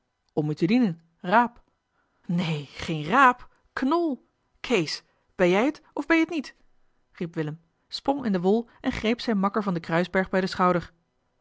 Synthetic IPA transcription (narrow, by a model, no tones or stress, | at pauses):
ɔmytədinən | raːp | nejχejnraːp | knɔlˠ | kʰejs | b̥ɛnjɛjətɔvbɛjətnit | ripʋɪləm | sprɔŋɪndəʋʊlˠʔɛnχrejpsɛjnmɑkəɹvɑndəkrœɥzbɛɹχbɛjdəsχɑwdəɹ